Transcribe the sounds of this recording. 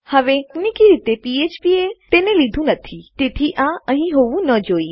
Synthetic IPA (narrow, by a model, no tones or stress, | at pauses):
hɐʋenɪkiɾɪt̪epieːt͡ʃpiet̪eːnẽlid̪ʱũnɐt̪ʰit̪eːt̪ʰiʔãʔə̃ɦĩɦoːʋũnəd͡ʒoːiː